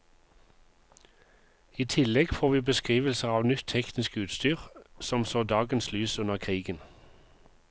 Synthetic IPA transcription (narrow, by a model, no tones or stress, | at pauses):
iːt̪ʰɪlɛɡfoːʁʋiːbəskʁiːʋəlsəʁɑːʋnʏt̪ʰɛknɪskʉːt̪st̪yːʁsɔmsoːd̪ɑːɡənslyːsʉnəʁkʰʁiːɡən